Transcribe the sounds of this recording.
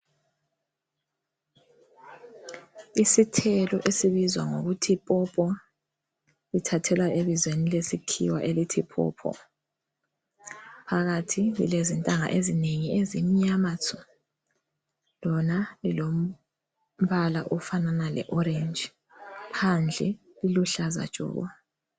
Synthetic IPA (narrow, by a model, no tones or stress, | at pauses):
isitʰɛlɔʔesiβizwa̰ŋo̰ɣutʰipʼɔpʼɔ | litʰatʰɛlwaeβizwenilesikʰḭwaʔelitʰipʼʰɔ̰ːpʰɔ̰ | pʰaɣatʰilḭlezintʼaŋa̰ʔezineŋiezimiɲamat͡sʰɔ̥ | lɔnalilom̩ | βalaʔɔfananalɛ̰ʔɔɾend͡ʒ | pʰand͡ɮʱɛ | liluɬaza̰d̥ʒ̥ʱʼɔ̰ːɣɔ̰